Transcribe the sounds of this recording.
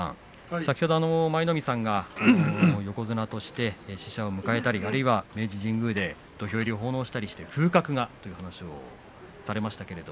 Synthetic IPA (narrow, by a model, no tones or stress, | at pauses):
ã̰ | sakʲi̥ho̞d̪o̞ano̞maino̞mʲisãŋɡanojo̞ko̞zɨnat̪o̞ɕi̥t̪e̞ɕi̥ɕao̞mɯ̟kae̞t̪aɾʲiaɾɯ̟iβame̞ːʑiʑĩŋɡɯ̟ːd̪e̞ | d̪̥o̞çʲo̞eɾʲio̞ɦo̞ːno̞ːɕi̥t̪aɾʲiɕi̥t̪e̞ɸɯ̟ːkakɯ̟ɡat̪o̞jɯ̟hanaɕio̞̰ | saɾe̞maɕi̥t̪ake̞ɾe̞d̪o